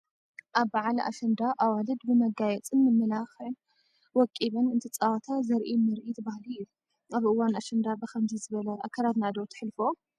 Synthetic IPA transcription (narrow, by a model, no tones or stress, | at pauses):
ʔaβbaʕalʔa̰ʃɐnd̪aʔawalɨd̪bɨmɐɡajɛt͡sʼɨnːɨmːɨlaxɐn | wɔkʼiβɐnɨnt̪ʰɨt͡sʼawat̪ʰazɐɾʔimɐɾʔit̪ʰɨbahluju | aβɨwːanaʃɨnd̪abɨkʰɐmzizɨβɐlɐʔa̰kʰːɐɾad̪nad̪owt̪ʰɨ̥ħɨlfo